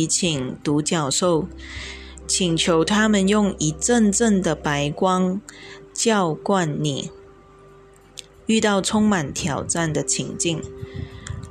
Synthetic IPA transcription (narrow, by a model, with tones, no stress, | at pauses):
t͡ɕʰi˨˩ŋt̪u˧˥t͡ɕjɑ˥˩ʊʂo˥˩ʊ | t͡ɕʰi˨˩ŋt͡ɕʰjo˧˥ʊt̪ʰa˥mə˨njʊ˥˩ŋi˧˥ʈ͡ʂə˥˧nʈ͡ʂə˥˩ŋd̪ə˩pa˧˥ɪkwɑ˥ŋ | t͡ɕjɑ˥˧ʊkwa˥˩nːḭ˨˩ | y˥˧t̪ɑ˥˩ʊʈ͡ʂʰʊ˥ŋma˨˩nt̪ʰjɑ˨˩ʊʈ͡ʂa˥˩nd̪ə˩t͡ɕʰi˧˥ŋt͡ɕi˥˩ŋ